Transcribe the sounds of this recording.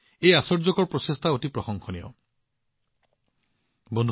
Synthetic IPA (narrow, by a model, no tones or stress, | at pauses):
ejasɔɹzɔkɔɹpɹɔsestʰaotipɹɔxɔŋxʰɔniɔ̰ | bɔndʱ